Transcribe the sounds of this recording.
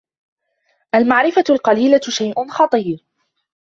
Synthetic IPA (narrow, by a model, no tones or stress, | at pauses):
ʔalmaʕɾɪfatʊlqɑliːlaʃajʔʊnxɑt̪ˤiːɾ